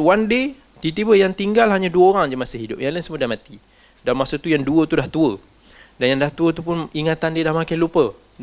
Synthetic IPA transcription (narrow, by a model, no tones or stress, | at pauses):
wande | t̪it̪̬ibəjaŋt̪iŋɡalɦaɲaduəoɾaŋd͡ʒamasəɦidʊp̚jaŋlainsəmudahmat̪i | dalmaksot̪ujaŋduət̪udaht̪uə | danjaŋdaht̪uət̪upʊniŋat̪andedahmakajlupə